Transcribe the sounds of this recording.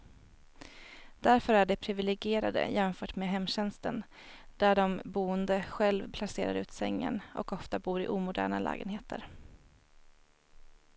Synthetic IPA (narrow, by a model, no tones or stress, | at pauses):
d̪̥æɾfœɾæɖɛpʰɾɪvɪlɛɡɪeːɾad̪ə̰jɛmfœːʈmeːɦɛmːɕɛnst̪ən | d̪̥æɖɔmbuːənd̪əɧɛlvpʰlaseːɾa̰ɾʉ̟ːt̪sɛŋːə̰nɔ̰kɔft̪abuːɾɪʔuːmʊd̪æ̰ːɳalʔæ̰ːɡənheːt̪ʰə̰ɾ